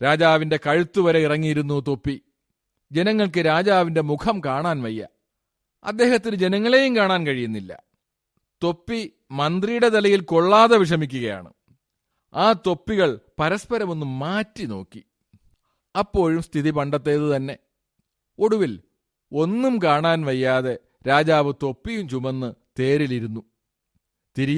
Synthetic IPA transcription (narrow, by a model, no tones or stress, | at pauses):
ɾaːd͡ʑaːʋinde̞kɐɻut̪ːuʋɐɾe̞irɐŋːijiɾunːut̪o̞pːi | d͡ʑe̞nɐŋːɐɭkɨɾaːd͡ʑaːʋinde̞mukʰɐmkaːɳaːnʋɐjːɐ̰ | ɐ̰d̪ːe̞ːhɐt̪ːinɨd͡ʑe̞nɐŋːɐɭe̞jumkaːɳaːnkɐɻijunːilːɐ̰ | t̪o̞pːi | mɐnd̪rijuɽe̞t̪ɐlɐjilkoɭːaːðɐʋiʂ̬ɐmikʲːuɣɐja̰ːɳɨ̰ | aːt̪o̞pːiɣɐɭpɐɾɐspɐɾɐmo̞nːumːaːtːino̞̰ːkːi | ɐpːo̞ːɻumst̪ʰiðipɐɳɖɐt̪ːe̞ːðɨt̪ɐnːe̞ | o̞ɽuʋil | o̞nːumkaːɳaːnʋɐjːaːðe̞ | ɾaːd͡ʑaːʋɨt̪o̞pːijumt͡ɕumɐnːɨt̪e̞ːɾiliɾunːu | t̪iɾij